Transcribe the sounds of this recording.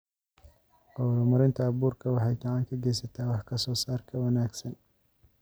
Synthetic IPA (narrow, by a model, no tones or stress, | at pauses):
ɔwɾʊmɐɾɪnt̪ʰɐːβuːrkʰɐwɑħɑjkʰɑʕɑŋkʰɐɡɛjsɐt̪ʰaːwɑħkʰɐsɔːsaːrkʰɐwɐnaːɡsɐn